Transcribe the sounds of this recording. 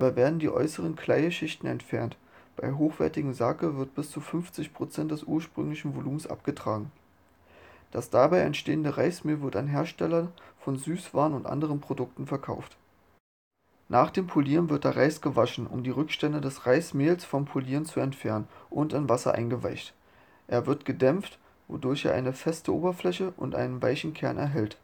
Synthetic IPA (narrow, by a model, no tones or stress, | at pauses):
baɪveːɐdn̩diːʔɔ̰ʏsəʁənkʰl̥aɪəʃɪçtn̩ɛ̰ntfɛɐnt | b̥aɪɦoːxv̥ɛ̰ɐtɪɡŋ̩zakəvɪɐt̚b̥ɪst͡sufʏnft͡sɪçpʁ̥ot͡sɛnt̚d̥ɛsʔuːɐʃpʁ̥ʏ̰ŋlɪçn̩voluːm̩sʔa̰p̚ɡ̥ətʁ̥aːɡŋ̩ | d̥asd̥abaɪʔɛ̰ntʃteːəndəʁaɪsmeːlvɪɐta̰nɦeːɐʃtɛlɐnfɔnzyːsv̥aːnʊntʔa̰ndəʁənpʁ̥odʊk̚tn̩fɛɐkʰa̰ʊft | nʔaːχd̥eːmpʰoliːʁənvɪɐt̚d̥eːɐʁaɪsɡ̥əvaʃn̩ʔʊ̰mdiːʁʏkʃtɛndədɛsʁaɪsmeːlsfɔmpʰoliːʁənt͡suɛntfɛɐnənʔʊntanvasɐ̰ʔa̰ɪnɡəva̰ɪçt | ʔeːɐvɪɐtɡ̥ədɛmft | vo̰dʊɐçḛːɐʔa̰ɪnəfɛstəʔoːbɐflɛçəʔʊ̰ntʔa̰ɪnənva̰ɪçn̩kʰɛɐnʔɛ̰ɐɦɛlt